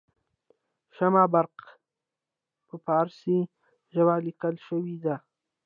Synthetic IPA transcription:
ʃamabaɾq | pəpɑːɾsi | ʒawalɪkəlʃəwid̪a

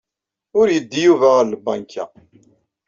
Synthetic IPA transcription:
ʊɾjəd̪ːijuvæʁəɾlbɑ̰ŋkʰæ̰

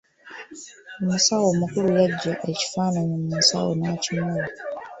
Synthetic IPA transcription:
omusawomukuɾujaɟːaʔe̞ci̥faːnanemumusa̰wo̰nacimuːla

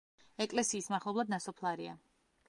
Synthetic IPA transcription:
ɛkʼlɛsiːsmaχlˠɔblˠad̪̚nasɔpʰlˠaɾia̰

